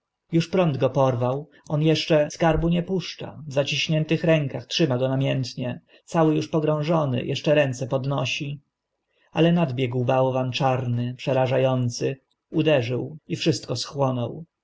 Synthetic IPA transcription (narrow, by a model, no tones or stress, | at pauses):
juʂpɾɔnd̪ɡɔpɔɾvaw | ɔnjɛʂt͡ʂɛskaɾbuɲɛpuʂt͡ʂa̰vzat͡ɕiɕɲɛnt̪ɘxɾɛŋkaxtʂɘmaɡɔnamʲjɛnt̪ɲɛ | t̪sawɘjuʂpɔɡɾɔ̃w̃ʐɔnɘ̰jʔɛ̰ʂt͡ʂɛɾɛnt̪sɛpɔd̪nɔɕi | alɛnad̪bʲjɛɡwbawɔvant͡ʂaɾnɘpʂɛɾaʐajɔnt̪sɘ | ud̪ɛʐɘwifʂɘst̪̚kɔsxwɔnɔw